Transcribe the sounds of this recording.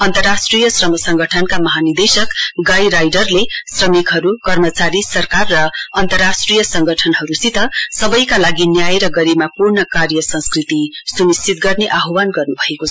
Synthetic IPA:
ʌnt̪ʌrːasʈrijʌsrʌmʌsʌŋɡʌʈʰʌnkamʌɦanid̪esʌkɡajɾajɖʌrlesrʌmikɦʌɾukʌrmʌt͡saɾisʌrkarːʌʌnt̪ʌrasʈrijʌsʌŋɡʌʈʰʌnɦʌɾusit̪ʌsʌbʌjkalaɡinjajɾʌɡʌɾimapurnʌkarjʌsʌnskrit̪isunist͡sit̪ɡʌrneʔaɦuwanɡʌrnubʱʌekot͡sʰʌ

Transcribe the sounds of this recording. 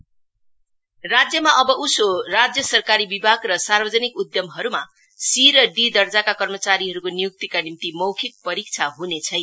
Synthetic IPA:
rad͡zjʌmaʔʌbʌʔusorad͡zjʌsʌrkaɾibibʱaɡrʌsarbʌd͡zʌnikud̪jʌmɦʌɾuma | siɾʌɖid̪ʌrd͡zakakʌrmʌt͡saɾiɦʌɾukonijuk̚t̪ikanimt̪imʌwkʰik̚pʌɾik̚t͡sʰaɦunet͡sʰʌj

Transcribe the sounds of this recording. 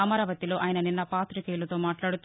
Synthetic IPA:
ɐmɐɾaːʋɐt̪iloːʔɐːjɐnɐninːɐpaːt̪ɾikeilut̪oːmaːʈlaːɽut̪ː

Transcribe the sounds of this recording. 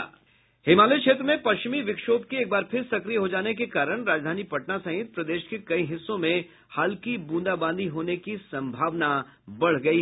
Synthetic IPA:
hɪmaːlekʃʰeːt̪ɾəmẽpɐʃt͡ʃɪmiʋɪkʃoːb̚kieːk̚baːɾpʰɪɾsɐkɾijɦod͡ʒaːnek̬ekaːɾəɽ̃ɾaːd͡ʒd̪ʱaːnipɐʈnasɐ̃ɦɪ̃ɪt̪̚pɾɐd̪eːʃkekɐiɦɪsːõmẽ | haːlkibũːnd̪abãːnd̪ʱiɦoːnekisɐ̃mbʱaːʋnabɐɽ̤ɡɐiɦ

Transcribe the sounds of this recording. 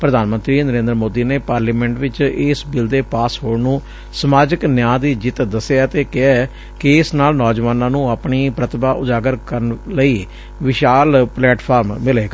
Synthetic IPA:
pɾəd̪aːnmə̃nt̪ɾiːnəɾẽːnd̪əɾəmoːd̪iːneːpaːɾliːmɛ̃ːɳʈʋɪt͡ʃɪsbɪld̪eːpaːsɦoːɽnũː | səmaːd͡ʒəknjãːd̪iːd͡ʒɪt̪d̪əsːjaːt̪eːkɪa | kɪɪsnaːlnɔːd͡ʒʋaːnãːnũːaːpɳiːpɾət̪ʰbaːʔʊd̪aːɡəɾkəɾənləiː | ʋɪʃaːlplɛːʈpʰaːɾmːɪleːkː

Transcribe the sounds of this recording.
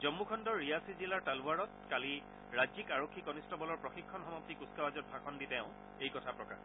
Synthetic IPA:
zɔmːukʰɔndɔɹːijasizilaɹtaluaɹɔt̚kali | ɹazikaɹokʰːikɔnistɔbɔlɔɹpɹɔxikʰːɔnɦɔmɔp̚tikuskabazɔt̚bʱakʰɔnditɛʊ̃ | ejkɔtʰapɹɔka̰ɹ

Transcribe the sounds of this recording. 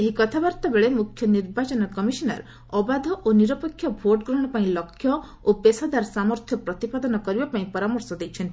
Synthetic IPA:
eɦikɔt̪ʰabaɾt̪abeɭemukʰjɔniɾbat͡ʃɔnɔkɔmisɔnaɾ | ɔbad̪ʱɔʔoniɾɔpekʰːjɔbʱoʈɡɾɔɽ̃ɔpaĩlɔkʰːjɔ | opesad̪aɾsamɔɾt̪ʰjɔpɾɔt̪ipad̪ɔnɔkɔɾibapaĩpɔɾamɔɾsɔd̪ejt͡ʃʰen

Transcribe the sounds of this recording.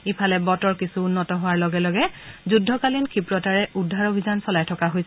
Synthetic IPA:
ipʰalɛbɔtɔɹkisuːnːɔtɔɦʊwaɹlɔɡɛlɔɡɛzudʱːɔkalinkʰipɹɔtaɹɛʔudʱːaɹobʱizansɔlajtʰɔkaɦojsɛ

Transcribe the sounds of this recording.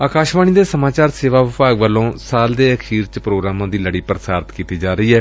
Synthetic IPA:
aːkaːʃʋaːniːd̪eːsəmaːt͡ʃaːɾseːʋaːʋɪpaːɡʋəlõːsaːld̪eːəkʰiːɾt͡ʃpɾoːɡɾaːmãːd̪iːləɽiːpɾəsaːɾt̪kiːt̪iːd͡ʒaːɾəiːɦɛː

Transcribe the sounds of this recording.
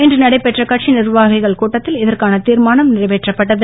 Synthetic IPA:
ɛndrɯnɐɽɐɪpːɛʈrɐkɐʈ̚t͡ʃinɪrʋaːɣɐɪɣɐɭkuːʈːɐt̪ːɪlɪðɐrkaːnɐt̪iːɾmaːnɐmnɪrɐʋeːʈrɐpːɐʈːɐðɯ

